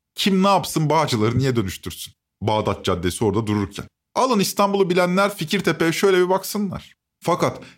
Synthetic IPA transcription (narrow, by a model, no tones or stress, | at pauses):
cʰimnaːpsɯnbaːd͡ʒɯlˠaɾɯnijɛd̪ø̞nyʃt̪ʰyɾsyn | baːd̪at̪̚d͡ʒad̪ːesio̞ɾd̪ad̪uɾuɾcʰæ̰n | alˠɯnist̪ʰambulˠubilʲænlʲæɾficʰiɾt̪ʰepejɛʃø̞jlʲebibaksɯnlˠa̰ɾ̥ | fakat̪